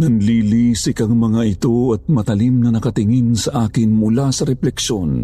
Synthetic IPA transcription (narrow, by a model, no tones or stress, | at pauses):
nɐŋliːlisɪkɐŋmɐŋaɪt̪oɐt̪̚mɐt̪ɐlimnɐnɐkɐt̪ɪŋinsɐʔaːkɪnmʊlasɐɾɛplɛkʃo̞n